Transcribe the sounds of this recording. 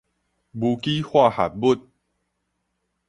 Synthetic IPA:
bu˧ki˦hwa˥˧ha̰˨t̚bu˦t̚

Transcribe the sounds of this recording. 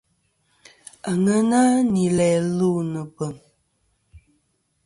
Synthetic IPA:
a˨ŋə˦na˦ni˨lɛː˨lu˦˨nə˨pə˨m

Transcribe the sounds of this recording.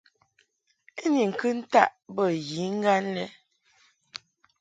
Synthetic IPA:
e˦ni˨ŋ̩˨kɨ˦n̩˦ta˦˨ʔbə˦˨ji˨˦ŋ̩˦ɡa˦nlɛ˦

